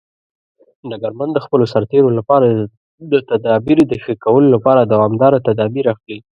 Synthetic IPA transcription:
naɡaɾmand̪əxpəlosaɾt̪eɾolapɑɾa | d̪ət̪ad̪ɑbiɾd̪əxəkawəlolapɑɾad̪awɑmd̪ɑɾat̪ad̪ɑbiɾaxli

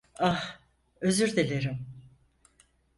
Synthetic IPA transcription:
ah | øzyɾd̪elʲeɾim

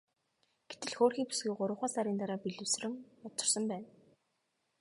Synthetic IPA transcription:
ɡ̥et̪ɘ̆ɮxoːrxiːpu̥sɡujɢʊɾʊ̆χaːsaɾiːnt̪aɾaːpiɮɘ̆wsrɘ̆ŋʊt͡sɞ̆rsə̆mpæːn

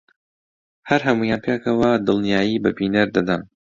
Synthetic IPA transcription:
hɐɾɦɐmujaːnpʰeːkɐwɐd̪ɨlˠnijaːjiːbɐbiːnɐɾd̪ɐd̪ɐn

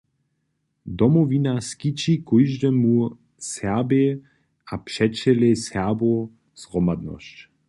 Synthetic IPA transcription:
d̪ɔmɔvinaskit͡ʃikɔjʒdɛmu | sɛbe | apʃɛt͡ʃɛlesɛʁbo | z̥ʁɔmad̪nɔ̰ʃt͡ɕ

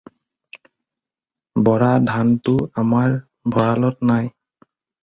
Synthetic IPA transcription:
bɔɹadʱantʊamaɹ | bʱɔɹalɔtnaj

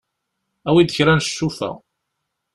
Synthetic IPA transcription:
æwid̪əçɾænʃːufæ̰

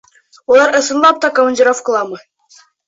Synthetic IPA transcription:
ulˠɑɾɤ̆sɤ̆nlˠɑp̚t̪ɑkomɐ̆nʲd͡ʑʲiɾofkɤ̆lˠɑmɤ̆

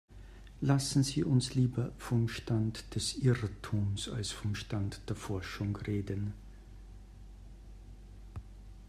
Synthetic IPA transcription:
lasn̩ziːʔʊnsliːbɐfɔmʃtantd̥ɛsʔɪʁtʰuːmsa̰lsfɔmʃtantd̥eːɐfɔɐʃʊŋʁeːdən

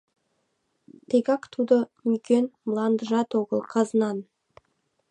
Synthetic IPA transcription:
t̪ʰekɑkt̪ʰud̪əmkʲenməlˠɑnd̪əʒɑt̪oɡəlˠqʰɑzənɑn

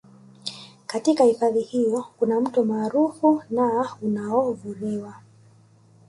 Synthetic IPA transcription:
katikahifaðihijɔkunam̩tɔmaːɾufunaunaɔvuɾiwa

